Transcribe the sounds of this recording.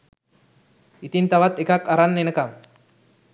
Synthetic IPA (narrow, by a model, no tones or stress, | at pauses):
it̪int̪aʋat̪ekakaɾanːenəkam